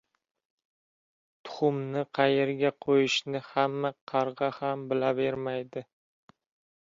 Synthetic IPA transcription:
t̪ʰʊ̥χʊmnɪqʰɑjeɾɡʲaqʰojɪʃnɪhamːaqʰɑɾʁɑhambɪlave̞ɾmajd̪ɪ

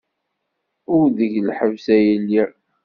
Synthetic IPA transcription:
ʊɾðəʝlħəvsæjilːi

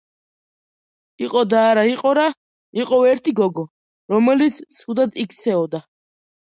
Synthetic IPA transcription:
iqʼɔd̪aːɾaiqʼɔɾa | iqʼɔɛɾt̪ʰiɡɔɡɔ | ɾɔmɛlit̪sʰsud̪ad̪ik̪ʰsʰɛɔd̪a

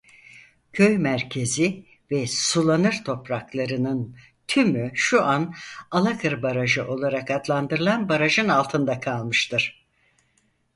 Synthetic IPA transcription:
cʰøjmæɾcʰe̞zi | vɛsulˠanɯɾt̪ʰo̞pɾaklˠaɾɯnɯn | t̪ʰymyʃuʔanalˠakʰɯɾbaɾaʒɯʔo̞lˠaɾakad̪lˠand̪ɯɾɯlˠanbaɾaʒɯnalˠt̪ʰɯnd̪akʰalˠmɯʃt̪ʰɯɾ̥

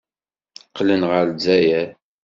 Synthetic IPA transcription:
qːlənʁəɾzæjæ

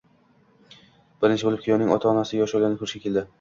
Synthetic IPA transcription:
b̥ɪɾɪnt͡ʃɪbolɪpkʲʰijɒnɪŋɒ̰t̪ʰaɒnasɪjɒʃolɡʲanɪkʰʊɾɪʃkʲakʲʰe̞ld̪ɪ

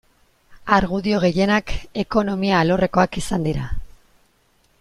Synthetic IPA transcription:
aɾɣuðio̞ɣ̞e̞je̞nake̞ko̞no̞miaːlo̞re̞ko̞akisand̪iɾa

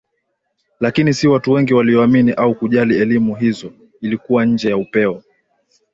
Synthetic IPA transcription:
lakinisiwatuwɛŋɡiwaliɔaminiʔaukuʄaliɛlimuɦizɔ | ilikuwaɲ̩d͡ʒɛjaupɛɔ

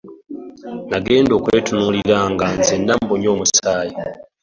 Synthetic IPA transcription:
naɡe̞ːndoːkwetunuliɾaŋɡanzendamboɲo̞ːmusaːji

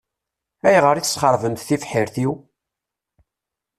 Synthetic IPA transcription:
æjʁəɾiθəsχəɾˤvəmθθifħiɾθiw

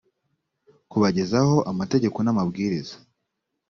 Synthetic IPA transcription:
kuβaɟe̞zaho̞ʔamate̞ɟe̞ko̞namabɡiːɾizḁ

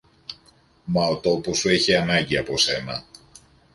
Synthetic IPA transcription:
mɐot̪o̞po̞sue̞çiɐnɐɲɟiɐpo̞se̞nɐ̰

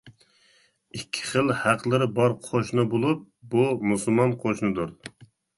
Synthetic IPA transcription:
ikʲʰːi̥χəlˠhæqʰlˠɨɾɪbɑɾqʰoʃnɨbolˠup̚bumusulˠmɑnqʰoʃnɨd̪uɾ

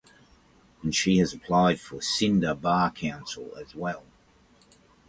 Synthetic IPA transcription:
ə̃nʃiɨzəpʰl̥ɑɪd̥fə˞sɪ̃ndəbɑːkʰãʊ̃nsl̩ˠə̰zwɛlˠ

